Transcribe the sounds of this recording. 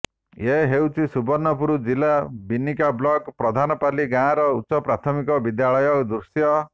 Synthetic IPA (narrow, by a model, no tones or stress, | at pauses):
eɦewt͡ʃʰisubɔɾnɔpuɾud͡ʒilabinːikablɔkpɾɔd̪ʱanɔpaliɡãɾɔusɔpɾat̪ʰɔmikɔbid̪jaɭɔjɔkd̪ɾusjɔ